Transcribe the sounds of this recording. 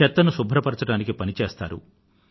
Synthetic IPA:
ɛt̪ːɐnusubʱɾɐpɐɾɐt͡ʃɐɽaːnikipɐnit͡ʃeːst̪a̰ːɾṵ

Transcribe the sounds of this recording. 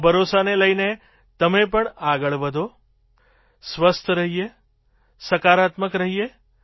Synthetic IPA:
bʱəɾosaneləjne | t̪əmepəɳaɡəɭʋəd̪ʱo | sʋəst̪ʰəɾəɦije | səkaɾat̪məkɾəɦije

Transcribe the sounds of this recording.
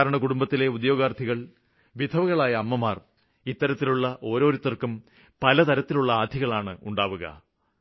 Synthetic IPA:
ɾɐɳɐkuɽumbɐt̪ːile̞ud̪jo̞ːɡaːrd̪ʰʱiɣɐɭ | ʋid̪ʱɐʋuɣɐɭaːjɐːmːɐmaːr | it̪ːɐɾɐt̪ːiluɭːɐʔo̞ːɾo̞ːɾut̪ːɐrkum | pɐlɐt̪ɐɾɐt̪ːiluɭːɐaːd̪ʱiɣɐɭaːɳɨuɳɖaːʋuɣɐ̰

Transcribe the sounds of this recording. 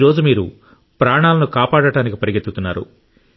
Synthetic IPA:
ɾɔːd͡ʒumiːɾu | pɾaːɳaːlɐnukaːpaːɽɐʈaːnikipɐɾiɡet̪ːut̪unːa̰ːɾṵ

